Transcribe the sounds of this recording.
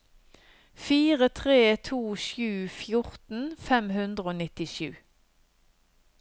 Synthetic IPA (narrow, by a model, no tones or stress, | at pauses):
fiːʁət̪ʰʁeːt̪ʰuːʃʉːfjʊʁt̪n̩fɛmhʉnd̪ʁəoːnɪt̪ɪʃʉː